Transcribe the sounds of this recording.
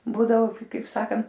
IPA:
ˈbuːdɐʋoː kɐɪp ˈsɑːkɐnt

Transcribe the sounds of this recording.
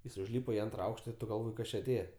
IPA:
jɪs ʊʒʲˈlʲiːpɐ ɪ ˈɐntrɐ ˈɐʊkʃtɐ ɪr ˈtʊ ɡɐlˠˈʋoːj ˈkɐs t͡ʃʲɪ ɐˈtʲeːjɛ

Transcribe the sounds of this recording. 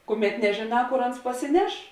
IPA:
ˈkʊˌmʲɛt nʲɛʒʲeːˈnɑː ˈkoːr ˈɐns pɐsʲɪˈnʲɛʃ

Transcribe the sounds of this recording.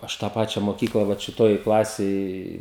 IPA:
ˈɐʃ tɑː ˈpɑːt͡ʃʲɛ moːˈkʲiːklˠɐ ʋɐt ʃʲɪˈtoːj ˈklˠɑːsʲeːj

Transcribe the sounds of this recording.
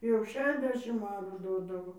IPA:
jɛʊ ˈʃʲæːʃʲɛzʲˌdʲæːʃʲɪm ˈɑːruː ˈdoːdɐʋoː

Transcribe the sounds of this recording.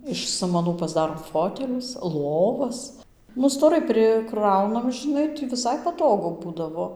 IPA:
ɪʃ ˈsɑːmɐnuː pɐzˈdɑːroːm ˈfoːtʲɛlʲʊs ˈlˠoːʋɐs nʊ stoːˈrɐɪ pʲrʲɪˈkrɐʊnɐm ʒʲɪˈnɐɪ tʲɪ ʋʲɪˈsɐɪ pɐˈtoːɡʊ ˈbuːdɐʋoː

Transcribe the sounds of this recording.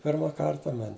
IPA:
ˈpʲɪrmɐ ˈkɐrtɐ mɐnʲ

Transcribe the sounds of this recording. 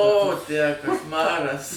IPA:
oː tʲæː kɐʃˈmɑːrɐs

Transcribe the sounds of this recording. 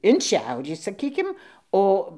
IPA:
ɪn ˈʃʲɛʊrʲiː sɐˈkʲiːkʲɪm ˈoː

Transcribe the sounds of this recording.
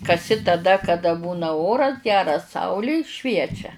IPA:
kɐˈsʲɪ tɐˈdɐ kɐˈdɐ ˈbuːnɐ ˈoːrɐs ˈɡʲæːrɐs ˈsɐʊlʲɪ ˈʃʲʋʲiɛt͡ʃʲɛ

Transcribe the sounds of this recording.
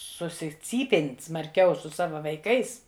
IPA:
sʊsʲɪˈt͡sʲiːpʲeːnʲ smɐrʲˈkʲɛʊ sʊ ˈsɑːʋɐ ʋɐɪˈkɐɪs

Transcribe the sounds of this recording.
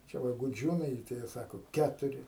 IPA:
t͡ʃʲɛ ˈʋɐ ɡʊˈd͡ʒʲuːnɐɪ tɐɪ ˈjiɛ ˈsɑːkoː ˈkʲæːtʊrʲɪ

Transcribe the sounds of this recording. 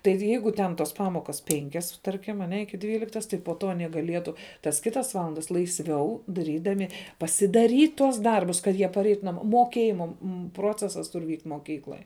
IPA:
ˈtɐɪ ˈjɛɪɡʊ tʲɛn ˈtoːs ˈpɑːmoːkɐs ˈpʲɛŋʲkʲɛs ˈtɐrʲkʲɪm ɐˈnʲɛ ˈɪkʲɪ ˈdʲʋʲiːlʲɪktɐs tɐɪ poː ˈtoː ɐˈnʲiɛ ɡɐˈlʲiɛtʊ tɐs ˈkʲɪtɐs ˈʋɑːlˠɐndɐs lˠɐɪsʲˈʋʲɛʊ dɐˈrʲiːdɐmʲɪ pɐsʲɪdɐˈrʲiːt tuɔs ˈdɐrbʊs kɐt ˈjiɛ pɐˈrʲɛɪtʊ nɐˈmoː moːˈkʲeːjɪmɐ m ˈproːt͡sʲɛsɐs ˈtʊr ʋʲiːktʲ moːˈkʲiːklˠoːj

